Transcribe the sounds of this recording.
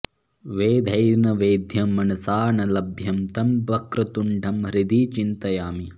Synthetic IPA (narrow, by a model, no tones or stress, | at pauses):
ʋeːd̪ʱɐjnɐʋeːd̪ʱjɐmːɐnɐsaːɳɐlɐbʱjɐmt̪ɐmbɐkɾɐt̪uɳɖʱɐmɾid̪iːt͡ʃint̪ɐjaːmi